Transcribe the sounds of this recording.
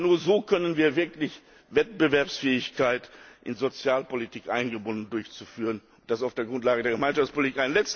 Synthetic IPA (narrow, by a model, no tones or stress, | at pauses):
nuːɐzoːkʰœnənviːɐvɪɐklɪç | vɛt̚b̥əvɛɐpsfɛːɪçkʰaɪtʔɪnzot͡sjaːlpolitʰiːkʔa̰ɪnɡəbʊndn̩dʊɐçt͡sufyːʁ̞ənʊn̚d̥asaʊfd̥eːɐɡʁʊntlaːɡədeːɐɡəmaɪnʃaft͡spʰolitikaɪnlɛt͡st